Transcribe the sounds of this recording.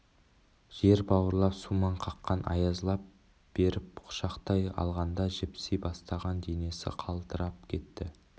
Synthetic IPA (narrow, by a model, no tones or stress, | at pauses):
ʒ̥e̞ɾbɑwəɾlˠɑpsumɑɴqʰɑqːɑnʔɑ̰jɑzlˠɑp̚ | b̥e̞ɾɪp̚qʰʊ̥ʃɑqt̪ɑjɑ̰lˠʁɑnd̪ɑʒɪpsejbɑst̪ɑʁɑnd̪ene̞sɪ̰qʰɑlˠt̪əɾɑp̚kʲʰe̞t̪ːɪ